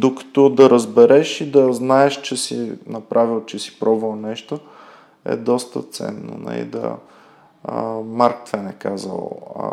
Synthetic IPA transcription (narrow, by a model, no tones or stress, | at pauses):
d̪okə̥t̪ɔd̪ɐɾəzbɛɾɛʃid̪ɐznaɛʃt͡ʃɛsinɐpɾʔavilˠt͡ʃɛsi̥pɾɔbvəlˠnɛʃt̪o | ɛ̰d̪ɔst̪ət̪sɛ̰nːo̰nɐ̰lḭd̪ɐ̰ | maɾk̚t̪vɛnɛkazə̰lˠ